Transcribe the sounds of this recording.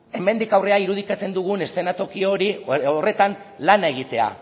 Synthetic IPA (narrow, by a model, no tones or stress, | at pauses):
e̞me̞nd̪ikawre̞aiɾuð̞ikat͡se̞nd̪uɣ̞une̞st̪e̞nat̪o̞kio̞ɾiore̞t̪an | lane̞ɣit̪e̞a̰